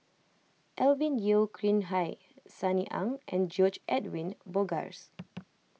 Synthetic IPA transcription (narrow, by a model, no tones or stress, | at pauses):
ʔɛlvĩnjilkʰɹĩnɦaj | saniʔã̰ŋʔɛ̰̃nd͡ʒɔd͡ʒʔɛtwĩnbɔɡa̰ɹs